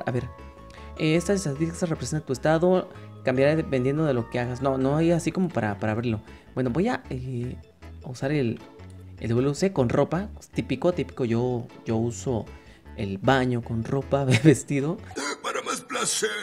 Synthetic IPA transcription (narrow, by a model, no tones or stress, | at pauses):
a̰βeɾ | eest̪aesat̪ikest̪arepɾes̬jonat̪uest̪aðokambjaɾaðepend̪je̞nd̪oðe̞lokeaɣasnonoajasiko̞mo̞paɾapaɾaβeɾlo̞ | b̥we̞nobo̞jae | usaɾeleld̪βuseko̞nropat̪ipikot̪ipi̥koʝoʝouso | ḛlβaɲo̞konro̞paββest̪iðopaɾamasplase